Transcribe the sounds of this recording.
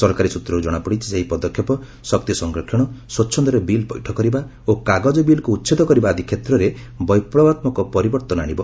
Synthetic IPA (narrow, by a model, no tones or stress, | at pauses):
sɔɾkaɾisut̪ɾɔɾud͡ʒɔɽ̃apɔɽit͡ʃʰi̥seɦipɔd̪ɔkʰːjɔpɔ | sɔk̚t̪isɔŋɡɾɔkʰjɔɽ̃ɔsotːt͡ʃʰɔnd̪ɔɾebilpɔjʈʰɔkɔɾiba | okaɡɔd͡ʒɔbilkuːt̪ːʃʰid̪ɔkɔɾibaːd̪ʱikʰjet̪ɾɔɾe | bɔjpɽɔbat̪mɔkɔpɔɾibɔɾt̪ɔnaɽ̃ibɔ